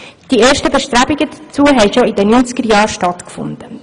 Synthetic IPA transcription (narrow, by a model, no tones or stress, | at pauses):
d̥ieːɾʃtəbɛʃtɾæbɪɡəd̪ət͡suəɦɛɪʃoɪdənynt͡sɡ̥əɾjɑːɾʃtɑt̪kfʊ̰nd̪̥ə